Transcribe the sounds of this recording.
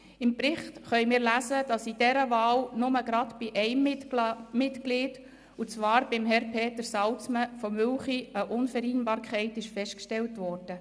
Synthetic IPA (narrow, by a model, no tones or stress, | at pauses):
ɪmpɾɪχtχœʏmɪːɾlæzəd̥ɑsid̥ɛɾəvɑːlnʊməɡɾɑtb̥iʔɛɪm | mɪtkliːd̥ | ut͡sʋɑːɾb̥ɪmɦɛɾpʰeːtəɾsɑlt͡sməfɔmʏlχiəʔʊnfɛɾiːnbɑːɾkʰɛɪtɪʃfɛʃtkʃtɛltʋɔːrd̥ə